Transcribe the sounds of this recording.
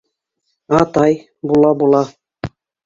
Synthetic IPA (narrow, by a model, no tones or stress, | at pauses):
ɑt̪ɑj | bulˠɑbulˠɑ